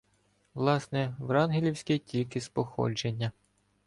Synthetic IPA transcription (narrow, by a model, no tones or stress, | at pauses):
ʋlˠɑsnɛʋɾɑnɦilʲiwsʲkɛtʲilʲkɪspɔxɔ̰d͡ʒenʲːɐ